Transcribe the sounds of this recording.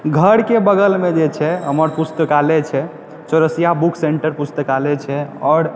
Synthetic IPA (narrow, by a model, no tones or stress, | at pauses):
ɡʱəɽkebəɡəlmed͡ʒet͡ʃʰɛɦəməɾpust̪əkalɛt͡ʃʰɛ | t͡ʃəɾəsijabukʰseɳʈəɾpust̪əkalɛt͡ʃʰɛɔːɾ